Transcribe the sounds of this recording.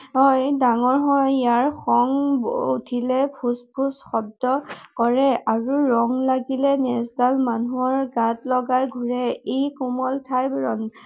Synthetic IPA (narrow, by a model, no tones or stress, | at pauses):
ɦɔjdaŋɔɹɦɔjjaɹxɔŋbutʰilɛpʰuspʰusxɔdːɔkɔɹɛaɹuɹɔŋlaɡilɛnɛsdalmanuɔɹɡatlɔɡajɡʱuɹɛejkumɔltʰajbɹɔn